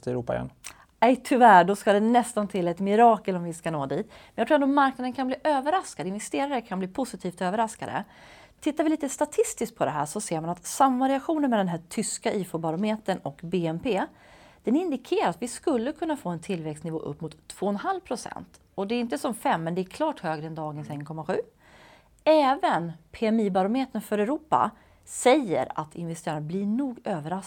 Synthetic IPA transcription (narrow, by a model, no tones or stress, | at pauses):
t̪ɛɾuːpa̰jɛ̰n | ɛjt̪ʰʏvæɖɔskad̪ɛnɛst̪ant̪ʰɪlːaɛt̪mɪɾɑːkəlɔmvɪskanoːd̪iːt̪mɛnjɑt̪ʰɾuːɛnoɔmaɾknad̪ənkʰanbliːʔøːvəɾaskad̪ɪnvɛst̪eːɾaɾəkʰanbliːpʰʊsɪt̪ʰiːft̪øːvəɾaskad̪ə̰ | t̪ʰɪt̪ːaɾvɪliːt̪əst̪at̪ʰɪst̪ɪskt̪̚pʰɔd̪ɛɦæ̰ːʂɔseːɾmanat̪samːvaɾɪaɧuːnənmɛd̪ɛnɦæːʈʰʏskaʔiːfʊbaɾʊmeːt̪ənɔkbeːɛmpʰeː | d̪̥ɛnɪnd̪ɪkʰeːɾaɾat̪vɪskɵlːəkʰɵnːafoːɛnt̪ʰɪlvɛkst̪nɪvo̰ːʔɵ̰pːmʊt̪ʰːv̥oːɛnɦalvpʰɾʊsɛ̰nt̪ | ɔd̪ɛɾɪnt̪əsɔmfɛmːɛnd̪ɛæɾkʰlɑːʈhøːɡɾəɛnd̪ɑːɡənsɛnkʰɔmːaɧʉ̟ː | ɛːvənpʰeːɛmiːbaɾɔmeːt̪ənfœɾɛɾuːpa̰ | sɛjːə̰ɾa̰t̪ʰɪ̰nvɛst̪eːɾanblɪɳuːɡøːvəɾas